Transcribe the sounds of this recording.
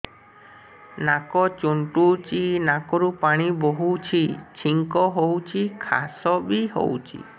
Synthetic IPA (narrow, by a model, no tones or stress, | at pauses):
nakɔt͡ʃuɳʈut͡ʃinakɔɾupaɽ̃iboɦut͡ʃʰit͡ʃʰiŋkɔɦowt͡ʃʰikʰa̰sɔbiɦo̰wt͡ʃʰḭ